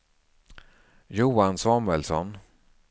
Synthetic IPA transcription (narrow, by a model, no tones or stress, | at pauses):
juːansɑːmʉɛlsɔ̰n